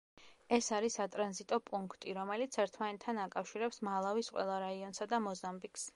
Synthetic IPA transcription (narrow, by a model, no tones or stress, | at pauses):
ɛsaɾisat̪ʼɾanzit̪ʼɔpʼuŋkʰt̪ʼiɾɔmɛlit̪sʰɛɾt̪ʰmanɛt̪ʰːanakʼafʃiɾɛpsmalˠavisqʼwɛ̰lˠaɾaiɔnsad̪amɔzambikʰʼs